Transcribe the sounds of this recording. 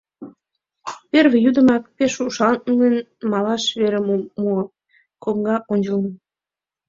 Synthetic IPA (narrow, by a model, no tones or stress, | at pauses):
perβejud̪ə̆mɑk̚peʃuʃɑnnən | mɑlɑʃβeɾemmu | komɡɑʔonʲd͡ʒəlmə